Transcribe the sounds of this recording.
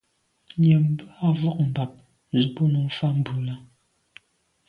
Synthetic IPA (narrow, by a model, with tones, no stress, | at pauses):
ɲɛ˨m̩˦ba˨vɔ˦˨k̚m̩˨ba˨p̚ | zu˨bu˦nu˨˦fa˦m̩˨bu˨la˦